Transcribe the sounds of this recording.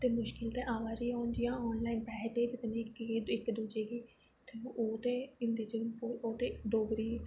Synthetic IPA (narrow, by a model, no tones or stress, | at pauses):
t̪eːmʊʃkɪlt̪ɛːʔaːʋaːɾiːɔːnd͡ʒɪjãːɔːnlaːinpɛːɦʈeːd͡ʒɪt̪nẽkːɪkːd̪uːd͡ʒeːɡiː | t̪ẽːoːt̪eːɪ̃nd̪eːd͡ʒɪnpoːoːt̪eːɖoːɡɾiː